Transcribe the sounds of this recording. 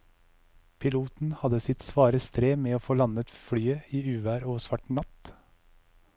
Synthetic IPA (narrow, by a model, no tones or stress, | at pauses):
pʰɪluːt̪n̩hɑd̪əsɪt̪sʋɑːɾəst̪ɾeːmeːoːfoːlɑnət̪fɽyːəiːʉːʋæːɾoːʋsʋɑʈɳɑt̪